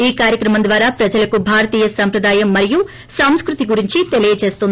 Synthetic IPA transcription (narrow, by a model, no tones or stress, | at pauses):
iːkaːɾjɐkɾɐmɐnd̪ʋaːɾaːpɾɐd͡ʒɐlɐkubʱaːɾɐt̪iːjɐsɐmpɾɐd̪aːjɐmːɐɾiju | sɐm̃skɾut̪iɡuɾiɲt͡ʃit̪elijɐt͡ʃe̞ːst̪und̪